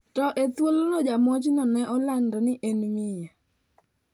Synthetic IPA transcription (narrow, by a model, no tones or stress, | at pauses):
tɔʔet̪wolɔnɔd͡ʒamɔt͡ʃnɔnɛʔɔlandɔnɪʔenwɪja